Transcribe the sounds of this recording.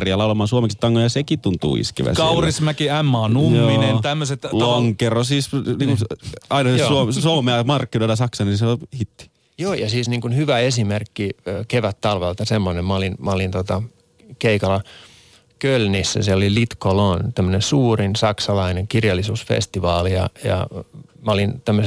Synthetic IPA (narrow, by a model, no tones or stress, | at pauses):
riɑlɑulɑmˑɑːnsuomeksit̪ːɑŋːojɑsekit̪unt̪ˑṵːḭskḭʋæ̰skɑurismækiæmːɑnujmoːinennt̪æmːøset̪loŋkerosiːsniːŋkuɑinɑsesuosuomɑmːææmɑrkːinoilɑsɑksɑnisehit̪ːi̥ | joːjɑsiːsniːŋkunhyʋæesimerkːikeʋæt̪t̪ɑlʋelt̪ɑsemːonemmɑolinmæolint̪ot̪ɑ | keikɑlːɑ | kølnisːæ̰seolilit̪kolont̪æmːønensuːrinsɑksɑlɑineŋkirjɑlːisuːsfḛst̪iʋɑːlijɑ̰jɑ̰mæolint̪æmːøəse